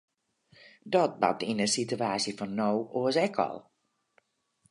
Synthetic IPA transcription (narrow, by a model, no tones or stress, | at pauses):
dɔt̚ba̰p̚tinəsityaːsjəfɔnːowoəsɛkʰɔ̰lˠ